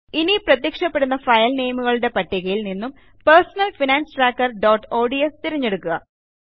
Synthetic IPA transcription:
iniprɐt̪̬jikʂɐpːe̞ɽunːɐfɐjɐlnejɐmuɣɐɭuɽe̞pɐʈːiɣɐjilninːum | persɐnɐlfinaːnsɨʈraːkːɐrɖo̞ːʈːoːɖiest̪iɾɐɲːe̞ɽukːuɣɐ

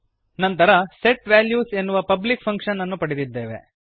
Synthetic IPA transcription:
nɐnt̪ɐɾɐseʈʋæːljuːse̞nːuʋɐpɐblik̚pʰɐŋkʂɐnːɐnːupɐɽed̪id̪ːe̞ːʋe̞̰

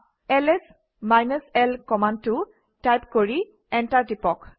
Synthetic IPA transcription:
ɛlɛs | majnɔsɛlkɔmand̚tʊ | tajpkoɹi | ɛntaɹdipɔk

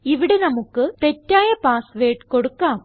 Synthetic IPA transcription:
iʋiɽe̞nɐmukːɨt̪e̞tːaːjɐpaːsʋe̞ːʈko̞ɽukːaːm

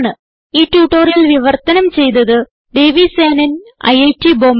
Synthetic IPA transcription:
ɳɨ | iːʈuːʈːoːɾiilʋiʋɐrt̪ɐnɐmt͡ɕe̞jt̪ɐðɨ | ɖ̪e̞ːʋiseːnɐnɐ̰jɐjtːiboːm

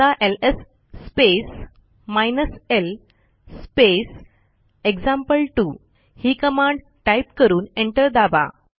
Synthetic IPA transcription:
aʔelesː | pes | majnəsel | spes | ekd͡ʑãmpəlʈu | hiːkəmãɳɖ | ʈajpkəɾuːneɳʈəɾd̪aba̰

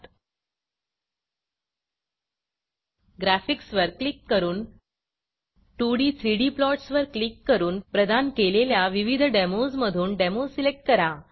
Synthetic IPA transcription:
ɡɾæfiksʋəɾklikːəɾuːn | ʈuɽiːt̪ʰɾiɽiːplɔʈsʋəɾklikːəɾuːnpɾəd̪ʱankeleljaʋiʋid̪ʱɖemozməd̪ʱuːnɖemosilek̚ʈ̚kəɾa

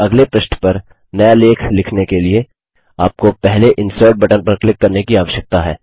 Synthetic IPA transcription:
ɐɡlepɾɐʃnpɐɾ | nɐjaleːkʰlɪkʰnekelie | aːp̚kopɛɦleʔɪ̃nsəːɾʈ̚bɛʈənpɐɾklɪkːɐɾnekiaːʋəʃjək̚t̪aɦɛ̰ː

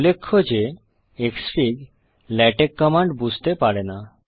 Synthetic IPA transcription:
ulːekʰːod͡ʑe | eksiɡ | lɛʈekːɔmaɳɖbud͡ʑʱt̪epaɾena

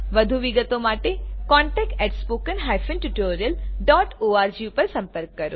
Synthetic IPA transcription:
ʋəd̪ʱuʋiɡət̪õmaːʈekɔːɳʈɛːk̚ʈɛʈspoːkənɦajfə̃nʈuʈoːɾijəlɖɔːʈoːaːɾd͡ʒiupəɾsɐ̃mpəɾkːɐɾoː

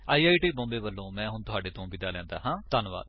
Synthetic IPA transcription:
aːiːaːiːʈiːbɔ̃ːmbeːʋəlːõːmɛ̃ːɦʊɳt̪ʊɦaːɖeːt̪õːbid̪aːlɛ̃ːnd̪a̰ːɦãːt̪ənʋa̰ːd̪

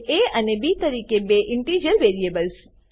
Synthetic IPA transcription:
eənebit̪əɾiːkebeʔɪɳʈiːd͡ʒəɾʋeɾiebəls

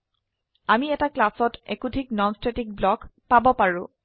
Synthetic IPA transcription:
amiɛtaklasɔtekutiknɔnstɹetik̚blɔkpabɔpaɹʊ̃

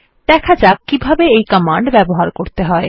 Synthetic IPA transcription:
d̪̥ɛkʰad͡ʑakibʱabeejkɔmaɳɖbɛboɦaɾkoɾt̪eɦɔe

